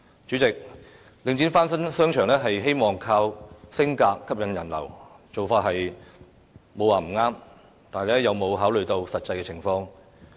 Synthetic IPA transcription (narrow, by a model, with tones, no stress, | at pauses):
t͡ʃyː˨˥t͡sɪ˨k̚ | lɪ˨˧ŋt͡ɕiː˨˥nfaː˥nsɐ˥nsœː˥ŋt͡ʃʰœː˨˩ŋlɛː˥ɦɐ˨jɦe˥jmɔː˨ŋkʰaː˧wsɪ˥ŋkaː˧kʰːɐ˥p̚jɐ˨˥njɐ˨˩nlɐ̰˨˩wt͡so˨wfaː˧t̚ɦɐ˨j | mo˨˧waː˨˩m̩˨˩ŋaː˥m | t̪aː˨n˨˩lɛ˥jɐ˨wmo˨˧wɦaː˨˥wlɵ˨ɥt̪o˧wsɐ˨t̚t͡sːɐ˧jkɛː˧t͡sʰɪ˨˩ŋfɔː˧ŋ